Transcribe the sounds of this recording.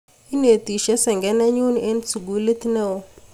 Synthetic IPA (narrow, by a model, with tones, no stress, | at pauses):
i˦ne˨ti˨ʃɛ˦sɛ˨ŋɡɛ˨˦na˦ɲu˦ni˨ʔe˦n˦t͡sʰu˨ɡu˨˦le˦ti˦nɛ˦˨wɔ˨˦